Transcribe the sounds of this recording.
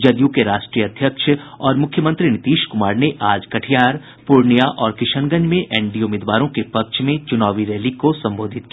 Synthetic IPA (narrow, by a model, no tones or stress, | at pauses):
d͡ʒɐd̪jũkeɾaːʃʈɾijəɐd̪ʱjəkʃəɔːɾmʊkʰjəmə̃nt̪ɾinɪt̪iːʃkʊmaːɾneʔaːd͡ʒkɐʈʰijaːɾ | pʊɾnijaʔɔːɾkɪʃənɡəɲd͡ʒmẽʔɛːɳɖiʊmeːd̪ʋaːɾõkepɐkʃmẽt͡ʃʊnaːʋiɾeːlikosɐ̃mboːd̪ʱɪt̪ki